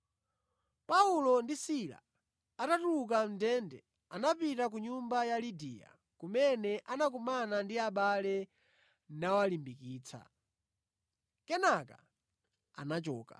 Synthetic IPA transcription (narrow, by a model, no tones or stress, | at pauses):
paulɔndisila̰ | atatuukam̩dɛndɛ̰ | anapitak̬uɲumbajalidija̰ | kumɛnɛʔanak̬umanandiaɓalɛ | nawalimbikiːt͡sʰa̰ | kɛnaka̰ | a̰nat͡ʃɔːka̰